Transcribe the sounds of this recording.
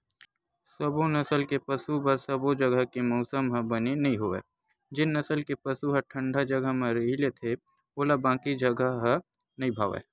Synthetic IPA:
səbonɐsəlkepɐsubɐɾsəbod͡ʒɐɡəɦkemɔʊsəmɦə̃bənenɐɦĩɦoeː | d͡ʒɪnːɐsəlkepɐsuɦə̃ʈʰə̃ɳɖʱad͡ʒɐɡəɦmẽɾeɦilet̪ʰe | oːlabãːkid͡ʒɐɡəɦə | nɐɦĩbʱaːʋḛː

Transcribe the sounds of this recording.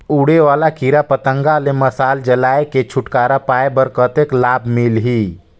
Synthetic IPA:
uːɽeʋaːlakiɾapət̪ə̃ŋɡaleməsaːld͡ʒəlaːeket͡ʃʰʊʈkaːɾapaːebəɾkət̪eklaːbmilɦi

